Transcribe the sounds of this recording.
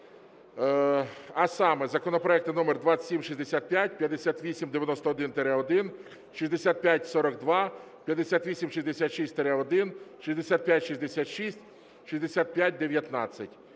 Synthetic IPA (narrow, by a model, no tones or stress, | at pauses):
ɐsɑmɛzɐkɔnɔpɾɔɛkt̪ɪnɔmerd̪ʋɑsʲimʃizʲd̪esʲat̪̚pʲjatʲpʲjɐd̪esʲat̪ʋʲisʲimd̪ejɐnɔst̪ɔɔd̪ɪnt̪eɾɛɔd̪ɪn | ʃizʲd̪esʲat̪̚pʲjatʲsɔɾɔkd̪ʋɑ | pʲjɐd̪ːesʲat̪ʋʲisʲimʃizʲd̪esʲat̪ʃisʲtʲt̪eɾɛɔd̪ɪnʃizʲd̪esʲat̪̚pʲjatʲʃizʲd̪esʲat̪ʃisʲtʲ | ʃizʲd̪esʲat̪̚pʲjat̚ʲd̪eʋʲjɐt̪nɑ̰t͡sʲːɐtʲ